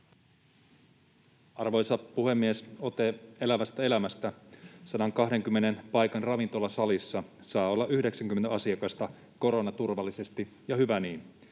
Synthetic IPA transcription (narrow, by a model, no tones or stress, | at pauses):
ɑrʋo̞jsɑpːuɦe̞mːieso̞t̪e̞e̞læʋæst̪æe̞læmæst̪æsɑdɑŋkɑɦde̞ŋk̟ymːe̞ne̞npɑjkɑnrɑʋint̪o̞lːɑsɑlisːɑ | sɑːo̞lːɑʔyhde̞ksæŋk̟yment̪æɑsiɑkɑst̪ɑ | ko̞ɾo̞nɑt̪urʋɑlːise̞st̪i | jɑhyʋæniːn